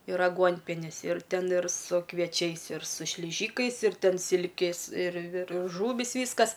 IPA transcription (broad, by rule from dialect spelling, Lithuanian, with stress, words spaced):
ɪr ɐˈɡuɔnʲpʲiɛnʲɪs ɪr ˈtʲɛn ɪr sʊ kʋʲiɛˈt͡ʃʲɛɪs ɪr sʊ ʃʲlʲɪˈʒʲiːkɐɪs ɪr ˈtʲɛn ˈsʲɪlʲkʲeːs ɪr ɪr ˈʒuːʋʲiːs ˈʋʲiːskɐs